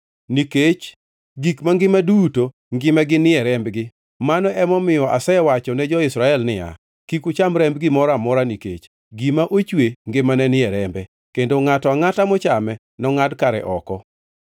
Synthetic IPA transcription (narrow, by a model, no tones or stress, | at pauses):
niket͡ʃ | ɡikmaŋɡɪmaduto | ŋɡɪmɛɡɪnɪɛɾɛmbɡɪ | manɔʔɛmɔmɪjɔʔasɛwat͡ʃɔnɛd͡ʒɔɪsɾaɛlnɪa̰ | kikut͡ʃamɾɛmbɡɪmɔɾamɔɾaniket͡ʃ | ɡimaʔot͡ʃweŋɡɪmanɛnɪɛɾɛmbɛ | kendoŋatɔaŋatamɔt͡ʃamɛ | nɔŋadkaɾɛ̰ʔɔ̰kɔ